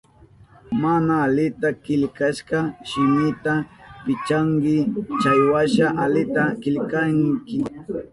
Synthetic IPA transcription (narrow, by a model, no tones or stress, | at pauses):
manaːlɪt̪akɪʎkaʃɢɑʃɪmɪt̪apɪt͡ʃaŋkɪt͡ʃajwaʃaʔalɪt̪akɪʎkaŋkɪ